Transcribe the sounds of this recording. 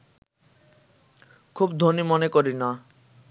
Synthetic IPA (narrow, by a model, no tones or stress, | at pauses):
kʰubd̪ʱonimonekoɾina